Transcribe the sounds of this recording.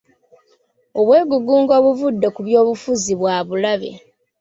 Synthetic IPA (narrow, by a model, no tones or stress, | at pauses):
o̞βwe̞ːɡuɡuːŋɡo̞ːβuvudːekuβjo̞ːβufuziβwaːβulaβe̞̰